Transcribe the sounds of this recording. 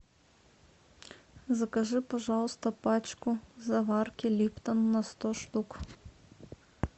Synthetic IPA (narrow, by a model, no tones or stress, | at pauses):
zɐkɐʒɨpɐʒawʊst̪ɔpat͡ʃkʊzɐvarkʲilʲipt̪ɐnːɐst̪ɔʃt̪uk